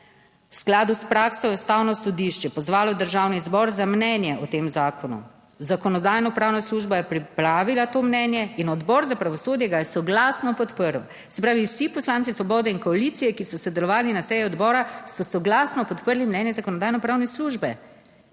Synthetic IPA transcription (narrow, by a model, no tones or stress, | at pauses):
wsklaːd̪uspɾaːksɔɛst̪awnɔsɔd̪iʃt͡ʃɛpɔzʋaːlɔd̪əɾʒaːwnizbɔɾzamnɛnjɛʔɔt̪eːmzaːkɔnṵ | zakɔnɔd̪aːjnɔpɾaːwnasluːʒbajɛpɾipɾaːʋilat̪oːmnɛnjɛinɔd̪bɔɾzapɾaʋɔsoːd̪jɛɡajɛsɔɡlaːsnɔpɔt̪pəɾwɔ | sɛpɾaːʋiwsipɔslansisʋɔbɔːd̪ɛinkɔalit̪sijɛkisɔsɛd̪ɛlɔʋaːlinasɛjiɔd̪bɔːɾasɔsɔɡlaːsnɔpɔt̪pəɾlimnɛnjɛzakɔnɔd̪aːjnɔpɾaːwnɛsluʒbɛ